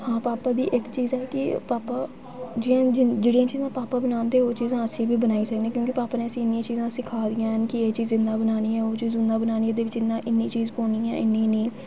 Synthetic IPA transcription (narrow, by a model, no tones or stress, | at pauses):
hãːpaːpaːd̪ḭːʔɪkt͡ʃiːzɛːkɪpaːpaː | d͡ʒɪːãːd͡ʒɪd͡ʒeːɽijãːt͡ʃiːzãːpaːpaːbənaːnd̪eːoːt͡ʃiːzãːəsĩːbiːbənaːiːsəkd̪ẽːkjõːkɪpaːpaːneːəsĩːɪnːɪjãːt͡ʃiːzãːsɪkʰaːd̪ijãːɦənkɪeːt͡ʃiːzɪ̃nd̪ãːbənaːniːɛ̃ːoːt͡ʃiːzʊnd̪ãːbənaːnĩːd̪eːʋɪt͡ʃɪnːãːʔɪnːiːt͡ʃiːzkoːniːɛ̰̃ːʔɪnːĩːnĩː